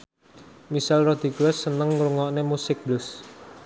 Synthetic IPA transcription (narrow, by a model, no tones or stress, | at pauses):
misalrod̪̥i̤ɡɾɛsːənəŋɾuŋɔʔnemusɪk̚b̥lʊs